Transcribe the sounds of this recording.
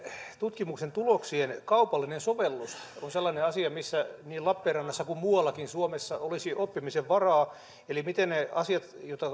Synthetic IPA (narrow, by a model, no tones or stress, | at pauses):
t̪ut̪kimuksent̪uloksienkɑupɑlːinensoʋelːusonselːɑneɑsiɑmisːæniːlɑpːeːrrɑnːɑsːɑkummuɑlːɑkinsuomesːɑolisiʔopːimiseʋʋɑrɑː | elimit̪enneɑsiɑt̪jot̪ɑ